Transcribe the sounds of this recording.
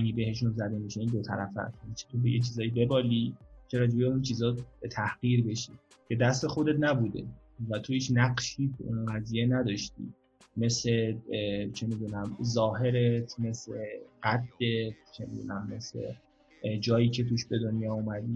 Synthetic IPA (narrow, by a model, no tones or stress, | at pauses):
æɡibe̞ɦe̞ʃunzæd̪e̞miʃeiːnd̪o̞t̪ʰæ̰ɾæ̰fæ̰snit͡ʃʰet̪ʰobḛjet͡ʃʰiːzɒːjibe̞bɒːlit͡ʃʰeɾɒːd͡ʒebeunt͡ʃʰiːzɒːbet̪ʰæhɢ̥iːɾbe̞ʃiː | cʰe̞d̪æst̪e̞xo̞d̪e̞t̪næbuːd̪e̞̰ | væt̪ʰohiːt͡ʃʰnæɢʃiːt̪ʰṵʔunɢæzijenæd̪ɒːʃt̪ḭː | me̞sle | t͡ʃʰe̞miːd̪uːnæmzɒːhe̞ɾet̪ʰme̞sleɢæt̪̚ʰd̪et̪t͡ʃʰemḭd̪ṵːnæmːe̞slḛ | d͡ʒɒːjiːcʰe̞t̪ʰuːʃbe̞d̪onjɒːumæd̪iː